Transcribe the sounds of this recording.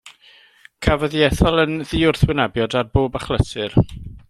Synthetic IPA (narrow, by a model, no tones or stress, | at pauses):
kʰavəðjɛθɔlˠənðiʊrθwɪnabjɔdarboːbaχlˠəsʰɨr